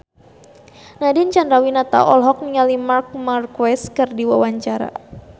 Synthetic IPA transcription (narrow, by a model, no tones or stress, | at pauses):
nadint͡ʃandɾawinat̪a̰ʔɔlɦɔk̚niŋalimark̚markwɛskɨrdiwawaɲt͡ʃaɾa̰